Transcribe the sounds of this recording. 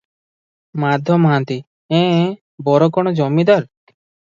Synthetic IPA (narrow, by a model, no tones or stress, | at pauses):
mad̪ʱjɔmɦãnt̪i | ɛ̃ | bɔɾɔkɔɽ̃ɔd͡ʒɔmid̪aɾ